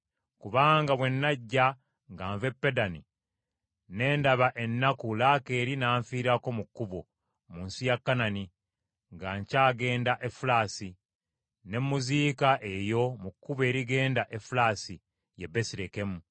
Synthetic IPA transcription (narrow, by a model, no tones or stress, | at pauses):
kuβaːŋɡawe̞nːaɟːa | ŋɡaːɱve̞pːe̞dani | ne̞ːndaβaʔe̞nːakulake̞ɾinaːɱfiːɾako̞mukːuβo | muːnsijakːanani | ŋɡaːɲcaːɡe̞ːndaʔefulaːsi | ne̞mːuziːkaʔe̞jo̞mukːuβe̞ːɾiɡe̞ːndaʔe̞fulaːsi | jebe̞siɾeke̞mu